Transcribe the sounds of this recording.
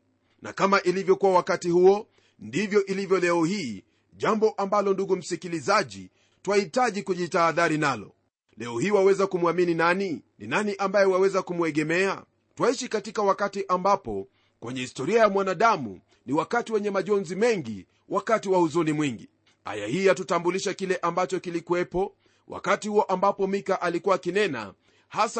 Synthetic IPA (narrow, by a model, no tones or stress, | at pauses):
nʔa̰kamaʔilivjɔkuwawakatihuɔ | ndivjɔʔilivjɔlɛɔhiː | ʄambɔʔambalɔnduɡum̩sikilizaʄḭ | twahitaʄikuʄitaːðaɾinalɔ̰ | lɛɔhiːwawɛzakumuamininaninḭnaniʔambajɛwawɛzakumwɛɠɛmɛa | twaiʃikatikawakatiʔambapɔ̰ | kwɛɲɛhistɔɾiajamwanaɗamṵ | niwakatiwɛɲɛmaʄɔnzimɛŋɡḭ | wʔakatiwahuzunimwiŋɡi | a̰ja̰hiːjatutambuliʃakilɛʔambat͡ʃɔkilikuwɛpɔ | wʔa̰katihuɔʔambapɔmikaʔalikuwakinɛna̰ | has